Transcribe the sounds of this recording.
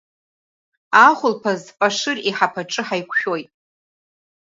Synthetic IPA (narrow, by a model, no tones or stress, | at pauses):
aχʷʊlpʰazpʼaʂɨriħapʰaʈ͡ʂʼɨħajkʷʰʃᶣo̞jtʼ